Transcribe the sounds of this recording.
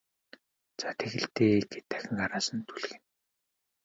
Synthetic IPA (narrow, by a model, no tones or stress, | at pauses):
t͡sat̪ʰeɣɘ̆ɮt̪eːɡet̪æ̥xʲɪ̆ŋɢaɾaːsə̆nt̪ʰuɮxĕn